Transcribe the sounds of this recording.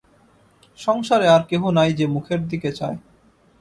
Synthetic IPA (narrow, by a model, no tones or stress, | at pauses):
ʃɔŋʃaɾeaɾkeɦonajd͡ʑemukʰeɾd̪iket͡ɕae